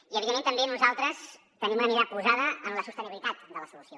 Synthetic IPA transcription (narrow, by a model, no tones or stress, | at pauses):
iəβiemẽnt̪əmbenuzalˠt̪ɾəs | t̪ənimnəmiɾapuzaðəənləsust̪əniβilit̪at̪d̪ələsulusio